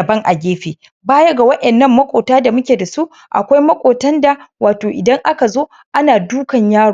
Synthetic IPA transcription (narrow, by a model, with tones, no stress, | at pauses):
ɐ˨bɐ˦ŋʔa˨ɡʲeː˦ɸeː˨ | baː˦jɐ˦ɡa˨wɐ˦ʔɛ˨nːɐ˦mːɐ˦kʷʼoː˨taː˦da˨mʊ˦kʲeː˨da˨su˦ʔ | ʔa̰˨kʷa˦jmɐ˦kʷʼoː˨tɐ˦nda˨waː˨toː˨ʔɪ˨dɐ˦ŋʔa˦ka˨zoː˦ | ʔa˦naː˨duː˦kɐ˨ɲjaː˦ɽ